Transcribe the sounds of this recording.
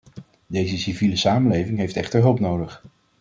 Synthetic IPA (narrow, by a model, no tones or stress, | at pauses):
dejzəsiviləsaːmənlejvɪŋɦejftɛχtəɹɦɵlˠpnowdəχ